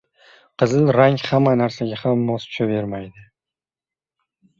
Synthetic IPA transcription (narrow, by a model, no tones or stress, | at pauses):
qʰɨzɪlˠɾaŋʲhamːanaɾsaɡʲahamːɒstʰʊ̥ʃʰave̞ɾmajd̪ɪ